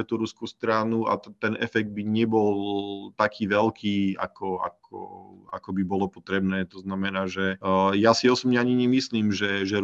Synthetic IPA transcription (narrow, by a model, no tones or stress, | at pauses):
ɛt̪uɾuskust̪ɾanua̰t̪ɛnɛ̰fɛɡ̚d̪̚biɲɛbɔlt̪akʰiːʋɛlkʰiːa̰kʰɔa̰kʰɔ̰a̰kɔbibɔlɔpɔt̪ɾɛbnɛːt̪ɔznamɛnaːʒɛjasiɔsɔbɲɛaɲiɲɛmisliːmʒɛʒɛɾ